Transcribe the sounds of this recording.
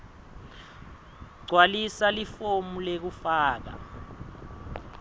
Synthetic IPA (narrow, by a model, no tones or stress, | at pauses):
ɡ͡ǀʱwalisalifomulek̬ufaːk̬a̰